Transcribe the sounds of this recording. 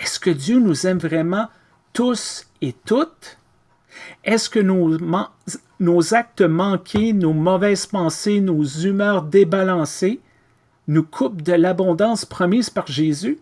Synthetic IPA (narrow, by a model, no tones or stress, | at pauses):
ɛskəd̪jønuzɛmvʁɛmɑ̃ | t̪us | et̪ʊt̪ | ɛskənomɑ̃ | nozak̚t̪əmɑ̃kʲʰenomɔvɛːz̥pɑ̃senozymœːʁd̪ebalɑ̃se | nukʰup̚d̪əlabɔ̃d̪ɑ̃spʁɔmiːzpaʁʒezy